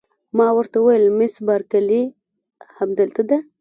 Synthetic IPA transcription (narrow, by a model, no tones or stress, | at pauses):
mɑwəɾt̪awajəlmɪsbɑɾkali | hamd̪əlt̪ad̪a